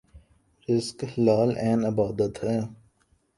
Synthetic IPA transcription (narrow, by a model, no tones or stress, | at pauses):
ɾɪskhɪlaːlɛːnɪbaːd̪ət̪ɦɛː